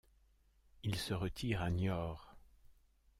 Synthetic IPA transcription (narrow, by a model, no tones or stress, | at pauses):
ilsəʁət̪ʰiːʁanjɔːʁ